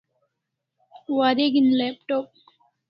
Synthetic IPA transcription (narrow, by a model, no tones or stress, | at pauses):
waɾeɡinlepʈoːp̚